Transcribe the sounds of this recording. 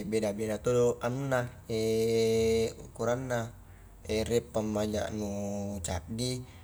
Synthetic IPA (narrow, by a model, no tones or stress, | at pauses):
bedabedat̪ooʔanːa | e | ukuɾanːa | erɛpːamːaɲa̰ʔnut͡ʃa̰ʔdi